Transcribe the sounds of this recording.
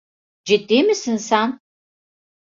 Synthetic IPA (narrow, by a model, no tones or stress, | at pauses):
d͡ʒɪdʼeːmɨsɨnsaːn